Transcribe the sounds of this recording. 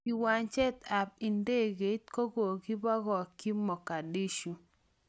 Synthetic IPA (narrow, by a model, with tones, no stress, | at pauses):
i˨wa˨nt͡ʃɛ˦ta˨p̚i˨nde˦˨ɡe˨˦tko˦ɡo˨ɡi˦bɔ˦ɡɔ˨ki˦mɔ˨ka˨di˦ʃu˦